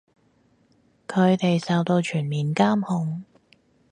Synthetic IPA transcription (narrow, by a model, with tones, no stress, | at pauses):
kʰɵ˨˧ɥt̪e˨jsɐː˨˧wt̪o˧wt͡ʃʰyː˨˩nmiː˨nkaː˥mhʊ˧ŋ